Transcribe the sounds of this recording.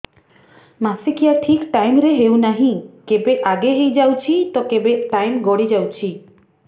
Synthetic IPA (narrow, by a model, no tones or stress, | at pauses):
masikijaʈʰikʈajmɾeɦewnaɦĩkebeʔaɡeɦejd͡ʒawt͡ʃʰit̪ɔkebeʈajmɡoɽid͡ʒawt͡ʃʰi